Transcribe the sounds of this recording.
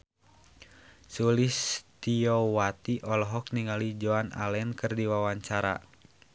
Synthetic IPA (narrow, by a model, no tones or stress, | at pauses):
sulist̪iɔwat̪iʔɔlɔɦɔk̚niŋalid͡ʒoana̰lɛnkɨrdiwawaɲt͡ʃaɾa̰